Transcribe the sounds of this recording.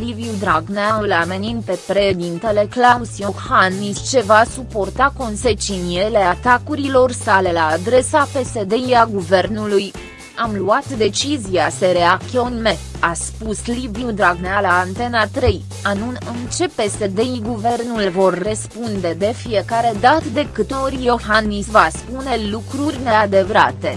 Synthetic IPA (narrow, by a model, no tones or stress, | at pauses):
liviud̪ɾaɡnaulameninpe̞pɾe̞ʃed̪int̪e̞le̞klasiohanmist͡ʃe̞vasupo̞rt̪ako̞nse̞t͡ʃiniele̞at̪akuɾilo̞rsale̞laːd̪ɾe̞sape̞se̞d̪e̞iaɡuve̞rnuluj | amluat̪d̪e̞t͡ʃizijaseɾe̞akt̪ionme̞ | aspusliviud̪ɾaɡnealaːnt̪e̞nat̪ɾe̞j | anunɨnt͡ʃe̞pe̞se̞d̪e̞iɡuve̞rnulvo̞rːəspund̪e̞d̪e̞fie̞kaɾe̞d̪at̪d̪e̞kɨt̪orʲjo̞hanːisvaspune̞lukɾurʲne̞ad̪e̞vɾa̰t̪e̞